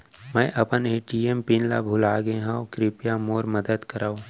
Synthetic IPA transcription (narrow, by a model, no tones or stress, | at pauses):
mɛ̃ːʔɐpəneːʈiempinlabʱʊlaːɡẽɦãːkɾɪpjamoːɾmɐd̪əd̪kɐɾaːo